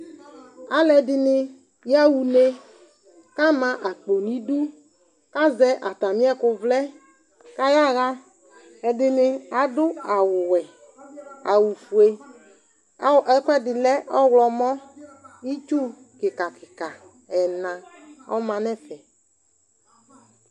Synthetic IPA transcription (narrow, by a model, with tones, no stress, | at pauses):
a˨˦lɛ˨˦dɪ˨nɪ˦ | jja˦wu˨ne˦ | ka˦mã˨ʔa˨k͡po˨nĩ˦du˦ | ka˦zɛ˦ʔa˨t̪a˨mĩ˦ɛ˦kʊ˨vlɛ˦ | ka˦ja˦ɣa˦ | ɛ˨dɪ˨nɪ˦a˨dʊ˦a˨wwɛ˨ | a˨wu˨fu˨e˦˨ | ɛ˦kɛ˦dɪ˨lɛ˦ʔɔ˦wlɔ˨mɔ̃˦i˦t͡ʃu˦ | kɪ˨ka˨kɪ˨ka˨ | ɛ˨nã˨ | ɔ̰˦mã˨nɛ˦fɛ˨